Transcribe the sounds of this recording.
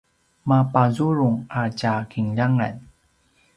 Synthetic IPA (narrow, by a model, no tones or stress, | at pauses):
mapazuɾuŋacakʰiŋʎaŋa̰n